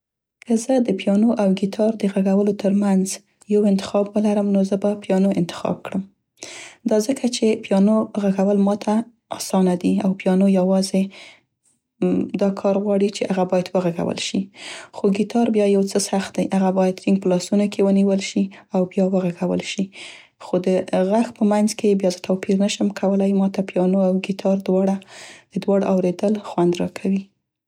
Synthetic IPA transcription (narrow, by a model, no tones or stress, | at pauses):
kʰəzəd̪əpjɑnoʔawɡit̪ʰɑɾd̪əɣaɡawəlot̪əɾmanz | jawɪnt̪ɪ̥xɑbwəlaɾəmnozəbapjɑnoɪ̰nt̪ɪ̥xɑ̰b̚kɽəm | d̪ɑzəkʰat͡ʃepjɑnoɣaɡawəlmɑt̪ʰa | ɑ̰sɑnad̪iawpjɑnojawɑze | d̪ɑkʰɑɾɣwɑɽit͡ʃeʔaɣabɑjad̪wəɣaɡa̰wə̰lʃixoɡit̪ʰɑɾbjɑjawt͡səsaxt̪̚d̪ajʔaɣabɑjad̪ɾiŋɡ̚pəlɑsunokʰewəniwəlʃiawbjɑwəɣaɣawə̰lʃi | xod̪əɣaxpəmanzkebjɑzət̪awpiɾnaʃəmkʰawəlajmɑt̪apjɑnoawɡit̪ʰɑɾd̪wɑɽad̪̥əd̪wɑɽʔawɾed̪əlxwand̪ɾɑkʰawi